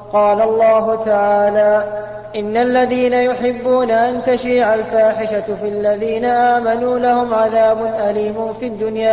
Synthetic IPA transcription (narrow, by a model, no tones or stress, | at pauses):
qɑːlalˤːɑːɦʊt̪aʕaːlaː | ʔɪnːalːaðiːnajʊħɪbːuːnaʔant̪aʃiːʕalfaːħɪʃafialːaðiːnaʔaːmanuːlahʊmʕaðaːbʊnʔaliːmʊnfid̪ːʊnjaː